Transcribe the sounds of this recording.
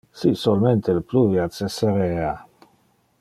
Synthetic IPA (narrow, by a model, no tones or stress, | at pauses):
sisolment̪ʰelpluviat͡seseɾeːa